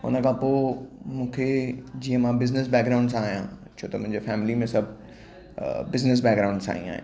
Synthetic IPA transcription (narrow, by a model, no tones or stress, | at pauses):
ʊ̰nəkʰãpoːmũːkʰed͡ʑiːə̃mãbɪznɪsbɛːkɡɾaʊ̃ɳɖs̬aːɦijã̰t͡ʃʰoːt̪əmʊ̃ɪ̃ɲd͡ʑefɛːmɪlimẽsɐb | bɪznəs̬bɛːkɡɾaʊ̃ɳɖsa̰ːḭ̃a̰ːɦḛ̃